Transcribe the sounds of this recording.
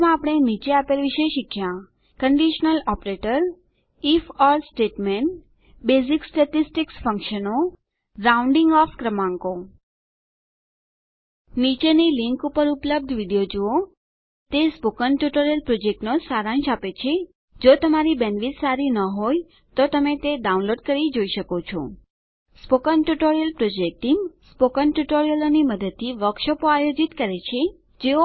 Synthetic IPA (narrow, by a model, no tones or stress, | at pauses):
mãapəɽ̃enit͡ʃeapelʋiʃeʃikʰːjã | kəɳɖiʃənəlɔpɾeʈəɾ | ifɔɾsʈeʈmeɳʈ | beziksʈeʈisʈiksfə̃ŋkʃəno | ɾaũɳɖiŋɡɔfkɾəmãŋko | nit͡ʃeniliŋkupəɾupləb̚d̪ʱʋiɖijod͡ʒuo | t̪espokənʈuʈoɾijəlpɾod͡ʒek̚ʈnosaɾãnʃapet͡ʃʰe | d͡ʒot̪əmaɾibenʋitsaɾinəɦoj | t̪ot̪əmet̪eɖaunloɖkəɾid͡ʒoiʃəkot͡ʃʰo̰ | spokənʈuʈoɾijəlpɾod͡ʒek̚ʈiŋspokənʈuʈoɾijəloniməd̪əd̪̚t̪ʰːiʋəkʃəpoajod͡ʒit̪kəɾet͡ʃʰe | d͡ʒeo